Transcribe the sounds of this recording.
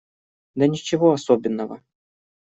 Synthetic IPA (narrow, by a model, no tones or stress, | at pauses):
d̪ɐnʲɪt͡ɕɪvoɐsobʲɪnːəvə̰